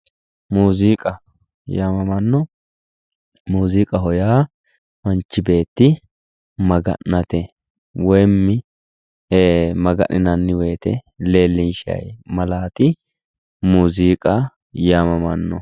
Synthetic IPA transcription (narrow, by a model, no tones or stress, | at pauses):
muːziːkʼɐ | jaːmɐmɐnːɔ | muːziːkʼɐɦɔjaː | mɐnt͡ʃːɪbe̞ːt̪ːɪ | mɐɡɐ̰nːɐt̪ɛ | wɔjmːɪ | eːmɐɡɐ̰nɪnɐnːɪwɛjt̪ɛle̞ːlːɪnʃɪɐ̰jmɐlaːt̪ɪ | muːziːkʼɐ | jaːmɐmɐnːɔ̰